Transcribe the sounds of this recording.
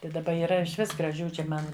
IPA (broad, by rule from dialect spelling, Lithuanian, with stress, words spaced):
tɐɪ dɐˈbɐ iːˈrɐ ɪʃʲˈʋʲɪs ɡrɐˈʒʲuː t͡ʃʲɪ ˈmɐn